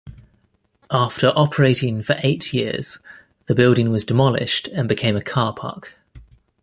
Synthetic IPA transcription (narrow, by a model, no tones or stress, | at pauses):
ʔɑˑftʰəɹʔɒpʰəɹeɪtɪ̃ŋfəɹʔeɪtʰjɪəz̥ | ðəbɪlˠdɪ̃ŋwɒzdɪmɒlɪ̰ʃtə̃nbɪkʰẽɪ̃məkʰɑːpʰɑ̰ˑk